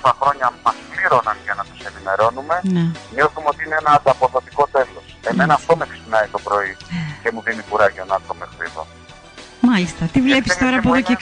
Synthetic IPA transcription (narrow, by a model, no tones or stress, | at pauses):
t̪ɐxɾo̞ɲɐmɐspliɾo̞nɐnʝɐnɐt̪ose̞nime̞ɾo̞nume̞neɲo̞θumeo̞t̪iineenɐɐt̪ɐpo̞ðo̞t̪i̥ko̞t̪e̞lo̞se̞me̞nɐːft̪o̞meksi̥pnɐit̪o̞pɾo̞ice̞muðinikuɾɐʝonɐt̪omexɾḭðo̞̰ | mɐlist̪ɐt̪ivle̞pisst̪o̞ɾɐpoðoce